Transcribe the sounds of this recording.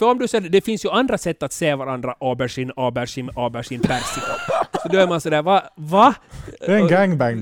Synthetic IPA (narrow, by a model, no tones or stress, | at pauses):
fœɾɔmd̪ɵsɛd̪ɛfɪnsjɵand̪ɾasɛt̪ːat̪seːvaɾand̪ɾaʔɑːbæʂɪnɑːbæʂɪnɑːbæʂɪnpæɾsɪksɔd̪ɔæɾmansɔd̪æːɾvavaɛɛɡæŋbæŋ